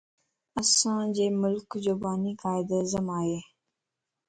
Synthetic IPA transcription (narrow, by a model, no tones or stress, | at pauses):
əsãːd͡ʑeːmʊlkd͡ʑoːbaːnikaːɪd̪əzəmaːɦeː